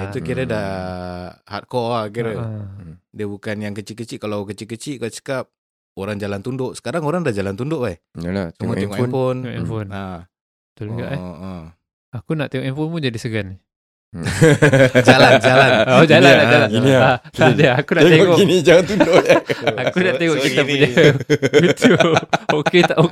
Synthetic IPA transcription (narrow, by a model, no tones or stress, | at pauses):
it̪ukiɾədah | ha̰t̪̚kɔak̬iɾə | diəbukanjaŋkət͡ʃiʔkːət͡ʃiʔkalawkət͡ʃiʔkət͡ʃiʔkaʔt͡ʃə̥kap̚ | oɾaŋd͡ʒalant̪undʊʔsə̥kaɾaŋoɾaŋdad͡ʒalant̪undʊʔa | latumat̪iŋɔʔafonafona | t̪olɡa̰ʔʔə | akunaʔt̪eŋɔʔifonpud͡ʒadisəɡanːi | d͡ʒaland͡ʒaland͡ʒalaad͡ʒalainiadaakunaeŋteɔŋinid͡ʒalant̪undoʔjaakunaʔt̪eŋɔʔit̪aəd͡ʒabit̪uoket̪aʔo